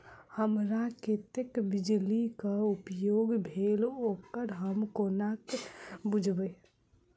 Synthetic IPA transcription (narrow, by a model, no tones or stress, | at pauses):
həmɾaket̪ekbɪd͡ʒlikaʊpjoːɡbʱeːloːkəɾɦəmkoːnaːkbʊd͡ʒʱbə